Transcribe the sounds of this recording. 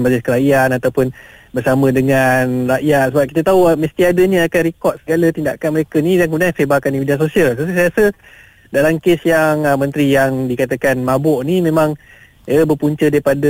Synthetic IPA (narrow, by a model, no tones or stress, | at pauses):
baziskəɾaianat̪awpʊnbərsamə̃dəŋanraʔjat̪̚səbap̚ki̥t̪ət̪auməst̪iadəɲəakanrikɔt̪̚səɡalət̪indaʔkanməɾekənijaŋkəmudansebakanimidiansosialsassaasə | dalamkesjaŋmə̃nt̪ɾijaŋdikat̪əkanmabɔʔnimẽmãŋ | jəbərpuɲt͡ʃədaɾipadə